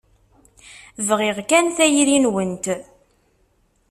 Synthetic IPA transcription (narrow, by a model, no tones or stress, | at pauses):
vʁɪʁkænθæjɾinwənt̪